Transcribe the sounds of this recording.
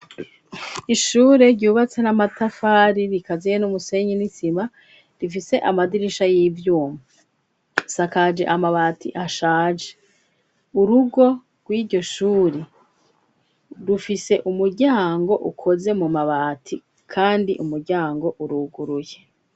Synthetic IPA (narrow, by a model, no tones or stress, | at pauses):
iʃuːɾe̞ɾɟuːβat͡se̞namatafaːɾiɾikazejenumuse̞ɲinisima | ɾifise̞ʔamadiɾiʃajiːvjuːma | sakad͡ʒe̞̰ʔamaβaːtʰḭʔaʃaːd͡ʒe | uɾuɡo̞ | ɡ̥wiːɾɟo̞ʃuːɾe | ɾufise̞ʔumuɾɟaːŋɡo̞ʔṵkʰo̞ze̞mumaβaːtʰi | kʰaːndḭʔumuɾɟaːŋɡo̞ʔuɾuːɡuɾuje̞